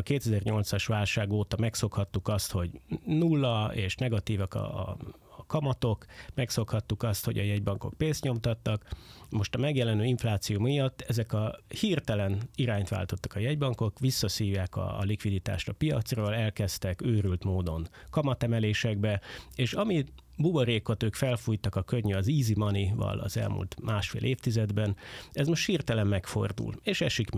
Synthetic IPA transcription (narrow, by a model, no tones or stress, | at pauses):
keːt̪ɛzɛrɲo̞lt̪sɒʃʋaːlʃaːɡoːt̪ɒmɛkso̞khɒt̪ːukɒst̪ho̞ɟnulːɒeːʃnɛɡɒt̪iːvɒkɒ̰ | kɒmɒt̪o̞kmɛkso̞khɒt̪ːukɒst̪hoɟɒ̰jɛɟbɒŋko̞̰k̚peːnst̪ɲo̞mt̪ɒt̪ːɒkmo̞ʃt̪ɒmɛɡjɛlɛnøːiɱflaːt̪sijumijɒt̪ːɛzɛkɒhirt̪ɛlɛniɾaːɲt̪ʋa̰ːlt̪o̞t̪ːɒ̥kɒjɛɟbɒŋko̞kʋisːɒsiːjaːkɒ̰likʋid̪it̪a̰ːʃt̪ɒpijɒ̰t̪sroːlɛlkɛst̪ɛkøːɾylt̪moːd̪o̞n | kɒmɒt̪ɛmɛleːʃɛɡ̚bɛeːʃɒmi | buboɾeːko̞t̪øːkfɛlfuːjt̪ɒkɒkøɲːyɒziːzimɒnivɒ̰lɒ̰zɛ̰lmṵlt̪maːʃfḛːlʔeːft̪izɛd̪bɛnɛzmo̞ʃt̪hiːrt̪ɛlɛmːɛkfo̞̰rd̪ṵleːʃɛʃikm